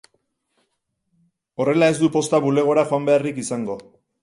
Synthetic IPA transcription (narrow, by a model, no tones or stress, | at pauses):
o̞re̞lae̞zd̪upo̞st̪aβule̞ɣ̞o̞ɾaxoambe̞arikisaŋɡo̞